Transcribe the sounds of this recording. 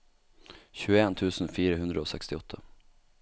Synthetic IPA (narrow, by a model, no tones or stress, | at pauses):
ɕʉːɛnt̪ʰʉ̟ːsənfiːɾaɦɵnd̪ɾaɔsɛ̰kst̪ɪɔt̪ʰːa